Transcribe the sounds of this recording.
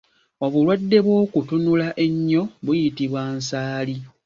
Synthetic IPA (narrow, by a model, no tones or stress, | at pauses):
o̞βulwadːe̞βwo̞ːkutunulaʔe̞ɲːo̞βujitiβwansaːli